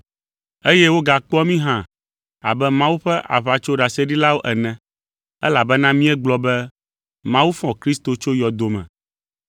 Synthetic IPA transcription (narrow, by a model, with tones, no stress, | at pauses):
e˦jɛ˦wo˦ɡa˨k͡pɔ˦mĩ˦ɦã˦ | a˨bɛ˦mã˦wu˦ɸɛ˦ʔa̰˨βa˨t͡ʃo˦ɖa˨sɛ˦ɖi˦la˦wo˦ʔɛ˨nɛ̃˨ | ɛ̰˦la˨bɛ˦nã˦mĩ˦ɛ˦ɡ͡blɔ˦bɛ˦ | mã˦wu˦fɔ̃˨kɾi˦st̪o˨t͡ʃo˦jɔ˨d̪o˨mɛ̰̃˨